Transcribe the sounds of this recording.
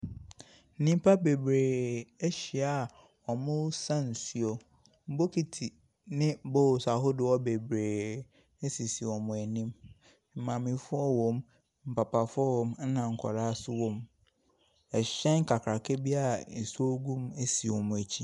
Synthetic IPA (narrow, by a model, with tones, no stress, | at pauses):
n̩˦nĩ˦m˦pʰa˦be˨bɾeː˨e˦ɕi˨a˨ | ɔ˨mʊ̃˦sã˦n̩˨si˨ɔ˨ | m̩˦bo˦kʰi˨tʰi˨ | nɪ̃˦bo˦˨sa˨ɦʊ˦dɪ˨ɔ˦be˨bɾeː˨ | e˦si˨si˨wɔ˨mʊ̃˨æ˨nĩ˦m | m̩˨mã˨mɪ̃˨fʊ˦ɔ˦wɔ̃˨m | m̩˨pa˨pʰa˨fʊ˦ɔ˦wɔ̃˦mn̩˦nã˨ŋ̩˨kʰɔ̰˨ɾa˦a˦sʊ˦wɔ̃˦m | ɛ˨ɕɛ̃˦ŋ̩˦kʰa˨kʰɾa˨kʰe˦bi˦a˦n̩˨so˦ɡũ˦me˦si˨wɔ̃˨mʊ̃˨æ˨t͡ɕʰi˦